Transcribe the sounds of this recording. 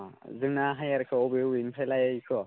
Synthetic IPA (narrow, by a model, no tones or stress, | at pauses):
zɯŋnaɦajaɾkʰɯɔbewinpʰajlajajkʰɔ